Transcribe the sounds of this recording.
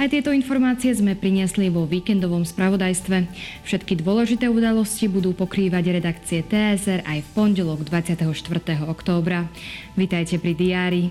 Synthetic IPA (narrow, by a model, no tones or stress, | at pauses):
ajt̪ɪɛt̪ɔinfɔɾmaːt͡siɛzmɛpɾiɲɪɛsliʋɔʋiːkɛnd̪ɔʋɔmspɾaʋɔd̪ajst̪ʋɛfʃɛt̪kid̪ʊɔlɛʒit̪ɛːud̪alɔscibud̪uːpɔkɾiːʋaɟɾɛd̪akt͡siɛt̪ɛɛsɛɾajfpɔnɟɛlɔɡd̪ʋat͡sɪat̪ɛɦɔʃt̪ʋr̩t̪ɛːɦɔɔkt̪ɔːbɾa | ʋit̪ajcɛpɾid̪iaːɾi